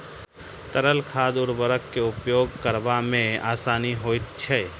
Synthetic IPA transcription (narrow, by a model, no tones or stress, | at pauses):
t̪əɾəlkʰaːd̪ʊɾbəɾəkːeʊpjoːɡkəɾbamẽaːsaːniɦoːit̪t͡ʃʰɛː